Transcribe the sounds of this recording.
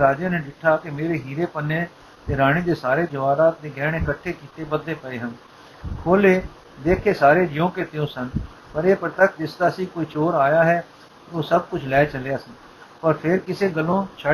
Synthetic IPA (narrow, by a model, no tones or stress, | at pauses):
ɾaːd͡ʒãːnẽːɖɪʈʰːaːkɪmeːɾeːɦiːɾeːpənːeː | t̪eːɾaːɽ̃eːd̪eːsaːɾeːd͡ʒəʋaːɾaːt̪̚d̪eːɡɛːɳɪkəʈʰːeːkiːt̪eːbəd̪ːeːpəeːɦən | kʰoːleː | d̪eːkʰeːsaːɾeːd͡ʒɪjõːkeːt̪eõːsən | pəɾeːpəɾt̪əkʰd͡ʒɪsd̪aːəsĩːkoːiːt͡ʃoːɾaːjaːɦɛː | oːsəb̚kʊt͡ʃʰlɛːt͡ʃəlejaːsən | pəɾpʰɪɾkɪseːɡəlːõːt͡ʃʰə